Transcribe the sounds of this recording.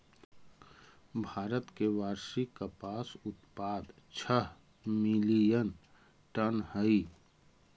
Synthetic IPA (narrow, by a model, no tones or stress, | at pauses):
bʱaːɾət̪keʋaːɾʃikapaːsʊt̪paːd̪t͡ʃʰəɦ | milijən | ʈənhəi